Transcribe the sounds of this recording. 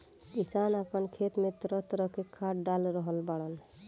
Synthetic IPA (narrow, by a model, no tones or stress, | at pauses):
kisanapənkʰet̪met̪ɾɔt̪ɾɔkekʰaʈɖalɾɔɦɔlbaɽɔn